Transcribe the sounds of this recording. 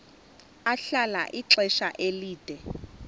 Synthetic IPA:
aɬalaʔiǁɛʃaʔeliːd̥ʱɛ

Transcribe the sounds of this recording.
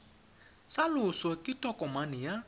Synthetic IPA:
salʊswakʼɪtʼɔkʼɔmanɪja

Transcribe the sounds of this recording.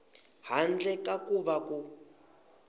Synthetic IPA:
hand͡ɮɛkakuβaku

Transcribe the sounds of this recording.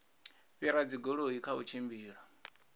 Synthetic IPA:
ɸiɾad͡ziɡɔɺoikʰaut͡ʃʰimbiːɺa

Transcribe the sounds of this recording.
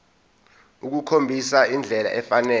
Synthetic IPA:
uk̬ukʰombʱisaind͡ɮʱɛla̰ʔɛfanɛː

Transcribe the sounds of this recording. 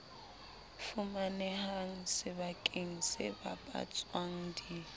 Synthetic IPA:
fumanɛhaŋ̩sɪβakʼeŋ̩sɪ̰ba̰pʼa̰t͡sʼwaŋ̩di

